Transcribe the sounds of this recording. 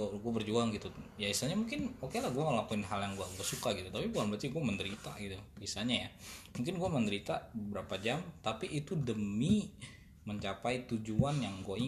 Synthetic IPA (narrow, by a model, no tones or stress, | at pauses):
ɡuabərd͡ʒuaŋɡit̪ujaisaɲamuŋkɪnokelahɡuɛməlakuɪnɦaljaŋɡuaɡuasukaɡit̪ut̪apibukanbat͡ʃiɡuaməndəɾit̪aɡit̪uisaɲaja̰muŋkɪnɡuaməndəɾit̪abəbəɾapad͡ʒamt̪apiʔːt̪udəmi | məɲt͡ʃapait̪ud͡ʒuanjaŋɡuai